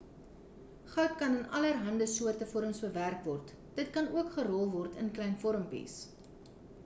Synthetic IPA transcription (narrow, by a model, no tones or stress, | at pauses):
χɐwt̚kɐnənɐlərɦɐndəsuərtəfɔɾəmsbəværkvɔrt | d̥ətkɐnuəkχəɾɔlˠvɔrtʰə̰nklɛjnfɔɾəmpḭs